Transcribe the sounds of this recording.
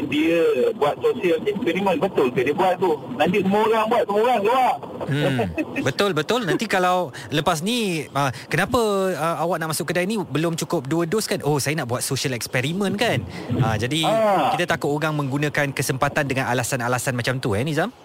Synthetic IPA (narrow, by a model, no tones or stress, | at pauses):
diəbuat̪̚sosiəlɛkspɛɾimə̃nbət̪ʊlkədiəbuat̪̚ːunãnt̪isumə̃oɾaŋbuat̪̚sumoɾaŋluaʔmm̩bət̪ʊlbət̪ʊlnant̪ikalaw | ləpas̬niəkənapəəawaʔ̚naʔmasʊkːədainĩbəlʊmt͡ʃukʊp̚duədoskanʔosajənaʔbuat̪̚sosiəlɛkspɛɾimə̃nkanad͡ʒadiakit̪at̪akʊt̪oɾaŋmə̃ŋɡunə̃kankəsəmpat̪andəŋãnalasanalasanmat͡ʃamt̪uɛnizam